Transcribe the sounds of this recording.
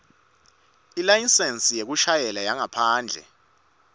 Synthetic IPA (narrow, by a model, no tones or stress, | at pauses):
ilajinsensʼijek̬uʃajɛlajaŋapʰaːnd͡ɮʱɛ̰